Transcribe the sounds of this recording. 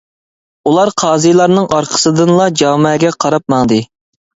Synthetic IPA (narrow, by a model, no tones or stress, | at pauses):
ulˠɑɾqʰɑːzɨjlˠɑɾnɨŋɑɾqʰə̥sɨd̪ɨnlˠɑd͡ʒɑːmɛːɡʲɛqʰɑɾɑp̚mɑŋd̪ɨ